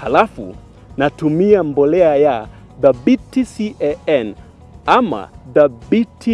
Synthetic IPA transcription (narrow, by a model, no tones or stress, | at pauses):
halafṵ | natumiambɔlɛaja | ðabitisiʔɛɛn | ama̰ðabitʰi